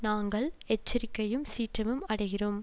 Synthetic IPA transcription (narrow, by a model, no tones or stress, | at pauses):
naːŋɡɐɭɛt͡ʃːɪɾɪkːɐjɯmsiːʈrɐmɯmɐɽɐɪɣɪroːm